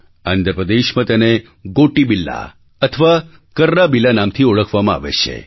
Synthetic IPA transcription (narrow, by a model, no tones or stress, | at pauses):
and̪ɾəpɾəd̪eʃmə̃t̪əne | ɡoʈibilːa̰ | ət̪ʰəʋa | kəɾːabilːanamt̪ʰioɭəkʰʋamãa̰ʋḛʃʰḛ